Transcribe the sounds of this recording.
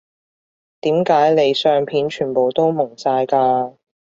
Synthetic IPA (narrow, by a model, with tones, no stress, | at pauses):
t̪iː˨˥mkaː˨˥jle˨˧jsœː˧ŋpʰiː˨˥nt͡ʃʰyː˨˩po˨wt̪o˥wmʊ˨˩ŋsaː˧jkaː˧